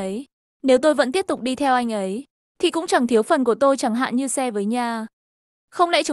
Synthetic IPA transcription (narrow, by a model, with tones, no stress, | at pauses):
ə˨˦j | ne˨˦wt̪o˧jvə̰˧˥t̪i˦˥p̚t̪ʊ˨˩k͡p̚ɗi˧t̪ʰɛ˧wʔa˧jŋ̟ʔə˨˦j | t̪ʰḭ˨˩kʊ̰˧˥ŋ͡mt͡ɕa˧˩ŋt̪ʰi˨˦əwfə˨˩nku˧˩ət̪o˧jt͡ɕa˧˩ŋɦa̰ː˧˨nɲɨ˧sɛ˧vəː˨˦jɲaː˨˩ | xə˧wŋ͡mla̰˧˥t͡ɕɨ˨˦